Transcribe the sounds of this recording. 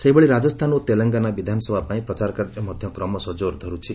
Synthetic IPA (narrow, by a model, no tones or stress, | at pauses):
sejbeɭiɾad͡ʒɔst̪ʰanot̪elɔŋɡanabid̪ʱanɔsɔbʱapaĩpɾɔt͡ʃaɾkaɾd͡ʒɔmɔd̪ʱjɔkɾɔmɔsɔd͡ʒoɾd̪ʱɔɾut͡ʃʰi